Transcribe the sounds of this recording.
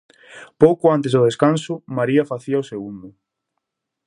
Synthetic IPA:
powkʊant̪ezðʊðeskansʊmaɾiɐfaθiɐaoseɣund̪ʊ

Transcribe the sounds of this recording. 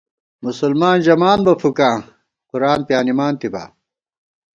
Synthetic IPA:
musulmaːnd͡ʑɐmaːnbɐfukãː | quɾaːnpjaːnimaːnt̪iba̰

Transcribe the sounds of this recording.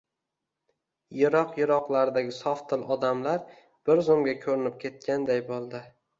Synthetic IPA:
jɪɾɒqjɪɾɒqlˠaɾɪd̪aɡʲɪsɒft̪ʰːɪlɒd̪amlaɾ | b̥ɪɾzʊmɡʲakʲʰɵɾɪnɪp̚kʲʰe̞t̪̚kʲʰand̪ajbolˠd̪ɪ

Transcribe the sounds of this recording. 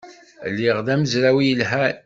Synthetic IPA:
lːiʁðæməzɾæwijəlɦæɾ

